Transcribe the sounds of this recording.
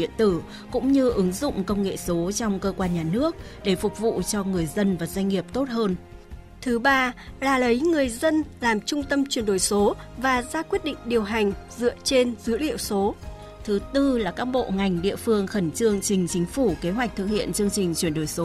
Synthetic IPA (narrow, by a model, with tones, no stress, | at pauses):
ɗḭ˧˨ənt̪ɨ˧˩ | kʊ̰˧˥ŋ͡mɲɨ˧ʔɨ˨˦ŋzʊ̰˧˨ŋ͡mkə˧wŋ͡mŋḛ˧˨so˨˦t͡ɕɔ˧wŋ͡mkəː˧kwaː˧nɲaː˨˩nɨ˦˥ək̚ɗe˧˩fʊ˨˩k͡p̚vṵ˧˨t͡ɕɔ˧ŋɨ˨˩əjzə˧nvaː˨˩zwa˧ŋ̟ŋi˨˩əp̚t̪o˦˥t̚ɦəː˧n | t̪ʰɨ˨˦ɓaː˧laː˨˩lə˨˦jŋɨ˨˩əjzə˧nlaː˨˩mt͡ɕʊ˧ŋ͡mt̪ə˧mt͡ɕwi˨˩ənɗo˧˩jso˨˦vaː˨˩zaː˧kwi˦˥t̚ɗḭ˧˨ŋ̟ɗi˨˩əwɦa˨˩jŋ̟zɨ̰˧˨ət͡ɕe˧nzɨ˨˦˥əlḭ˧˨əwso˨˦ | t̪ʰɨ˨˦t̪ɨ˧laː˨˩kaː˦˥k̚ɓo̰˧˨ŋa˨˩jŋ̟ɗḭ˧˨əfɨ˧əŋxə˧˩nt͡ɕɨ˧əŋt͡ɕï˨˩ŋ̟t͡ɕï˨˦ŋ̟fu˧˩ke˨˦ɦwa˨˩jk̚t̪ʰɨ˨˩k̚hḭ˧˨ənt͡ɕɨ˧əŋt͡ɕï˨˩ŋ̟t͡ɕwi˧˩ənɗo˧˩jso˨˦